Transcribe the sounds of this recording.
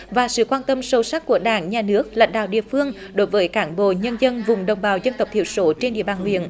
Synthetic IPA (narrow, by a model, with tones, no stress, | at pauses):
vaː˨˩sɨ̰˧˨kwaː˧nt̪ə˧msə˧˩wsa˦˥k̚ku˧˩əɗaː˧˩˦ŋɲaː˨˩nɨ˦˥ək̚la̰˧˨jŋ̟ɗa̰ː˧˨wɗḭ˧˨əfɨ˧əŋ | ɗo˨˦jvəː˨˦jkaː˨˩˦nɓo̰˧˨ɲə˧nzə˧nvʊ˨˩ŋ͡mɗə˨˩wŋ͡mɓaː˨˩wzə˧nt̪ə˨˩w̚p̚t̪i˧˨əwso˨˦t͡ɕe˧nɗḭ˧˨əɓaː˨˩nhwḭ˧˨ən